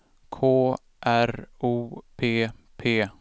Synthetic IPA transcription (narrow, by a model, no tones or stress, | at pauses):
kʰoː | ʔæɾuːpʰeːpʰeː